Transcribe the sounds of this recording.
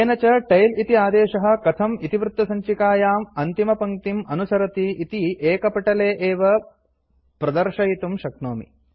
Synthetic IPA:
eːnɐt͡ʃɐʈɐjlit̪iaːd̪eːʃɐɦɐ̆kɐt̪ʰɐmit̪iʋɾut̪ːɐsɐɲt͡ʃikaːjaːmɐnt̪imɐpɐŋt̪imɐnusɐɾɐt̪iit̪iʔeːkɐpɐʈɐleːʔeːʋɐ | pɾɐd̪ɐɾʂɐjit̪umʃɐknoːmḭ

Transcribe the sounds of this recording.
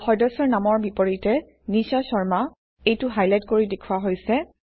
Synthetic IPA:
xɔjdɔsɔɹnamɔɹbipoɹitɛ | nisɔsɔɹma | ejtʊɦajlajtkoɹidekʰuwaɦojsɛ

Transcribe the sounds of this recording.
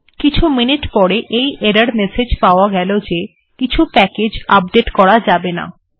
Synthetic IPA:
kit͡ɕʰuminiʈpɔɾeʔejeɾaɾmesed͡ʑpaoaɡɛlod͡ʑe | kit͡ɕʰupɛked͡ʑap̚ɖeʈkɔɽad͡ʑabena̰

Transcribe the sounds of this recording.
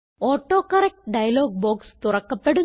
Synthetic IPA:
oːʈːo̞ːkːɐrek̚ʈɖɐjɐlo̞ːɡ̚boːkst̪urɐkːɐpːe̞ɽu

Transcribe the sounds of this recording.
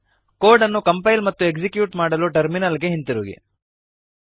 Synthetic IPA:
koːɾɖɐnːukɐmpɐjlmɐt̪ːuekd͡ʒikjuːʈmaːɽɐluʈɐɾminɐlɡe̞ɦint̪iɾuːɡḭ

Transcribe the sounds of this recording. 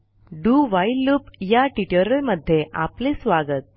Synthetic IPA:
ɖuʋailːupjaʈiʈəɾəlməd̪ʱːjeʔa̰plesʋaɡət̪̚

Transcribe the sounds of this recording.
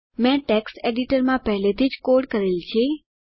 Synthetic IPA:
mɛ̃ʈeksʈeɖiʈəɾmãpəɦlet̪ʰid͡ʒkoɾɖkəɾelt͡ʃʰe

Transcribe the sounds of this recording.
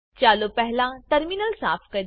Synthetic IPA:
t͡ʃaːlopɛɦlãʈɐɾminəlsaːpʰkɐɾ

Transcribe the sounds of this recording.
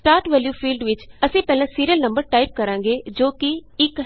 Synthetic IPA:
sʈaːɾʈʋɛːljuːpʰiːlɖʋɪt͡ʃəsĩːpɛːlãːsiːɾijəlnəmbəɾʈaːip̚kəɾãːŋɡeːd͡ʒoːkiɪk

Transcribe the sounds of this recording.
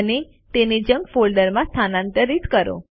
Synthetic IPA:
ne | t̪ened͡ʒə̃ŋɡfolɖəɾmãst̪ʰanãnt̪əɾit̪kəɾo̰

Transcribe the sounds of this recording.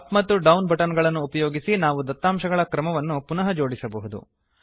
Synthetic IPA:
pmɐt̪ːuɖɐwnbʱɐʈɐnɡɐɭɐnːuːpɐjoːɡisinaːʋud̪ɐt̪ːaːmʃɐɡɐɭɐkɾɐmɐʋɐnːupunɐɦɐd͡ʒo̞ːɽisɐbɐɦud̪ṵ

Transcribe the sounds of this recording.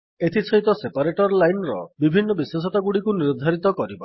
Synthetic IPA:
et̪ʰisʰɔɦit̪ɔsepaɾeʈɔɾlajnɾɔ̰bibʱinːɔbiswesɔt̪aɡuɽikuniɾd̪ʱaɾit̪ɔkɔɾiba̰

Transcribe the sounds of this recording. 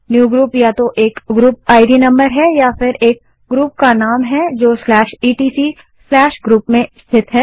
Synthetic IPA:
njuːɡɾuːpjat̪oʔeːkɡɾuːp̚aːɪɖinɐ̃mbəɾɦɛjafɪɾeːk̚ | ɡɾuːp̚kanaːmɦɛd͡ʒoːslɛːʃiːʈiːsiː | slɛːʃɡɾuːpmẽɪst̪ʰɪt̪ɦɛː

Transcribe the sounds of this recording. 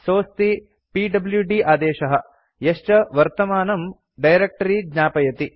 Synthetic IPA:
soːst̪i | piːɖɐbljuɖiʔaːd̪ɛːʃɐɦɐ̆ | jɐʂt͡ʃɐʋɐɾt̪ɐmaːnɐm | ɖɐjɾek̚ʈɐɾid̪ɲaːpɐjɐt̪i

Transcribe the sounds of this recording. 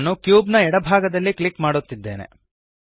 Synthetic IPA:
nːukjuːbnɐɛɽɐbʱaːɡɐd̪ɐlːikɭikmaːɽut̪ːid̪ːe̞̰ːnḛ

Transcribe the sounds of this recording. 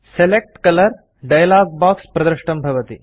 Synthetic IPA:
selek̚ʈkɐlɐɾ | ɖɐjlaːɡ̚baːkspɾɐd̪ɾɐʂʈɐmbʱɐʋɐt̪ḭ

